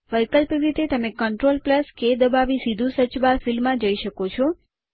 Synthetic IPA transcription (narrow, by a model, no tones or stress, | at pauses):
ʋəjkəlpiɾit̪et̪əmekəɳʈɾolpləsked̪əbaʋisid̪ʱũsət͡ʃʋaɾfilmːãd͡ʒəiʃəkot͡ʃʰɔ